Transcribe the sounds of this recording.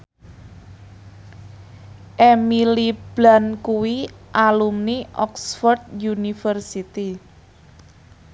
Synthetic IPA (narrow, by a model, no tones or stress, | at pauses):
ʔemilib̥la̤nkuwiʔalumniʔɔksfɔrd̪̚junifərsit̪i